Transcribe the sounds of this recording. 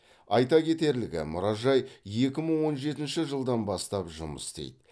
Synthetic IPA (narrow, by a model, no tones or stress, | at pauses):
ɑjt̪ɑkʲʰe̞t̪e̞ɾlɪɡʲɪ̰mʊɾɑʒɑjje̞kʲɪməɴwo̞nʒe̞t̪ɪnʃɪʒəlˠd̪ɑnbɑst̪ɑpʒʊmə̰st̪ḛjd̪ɪ